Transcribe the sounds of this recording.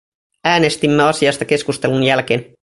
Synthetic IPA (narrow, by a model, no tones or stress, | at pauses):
æːne̞st̪imːeɑsiɑst̪ɑke̞skust̪e̞lunjælk̟e̞ːn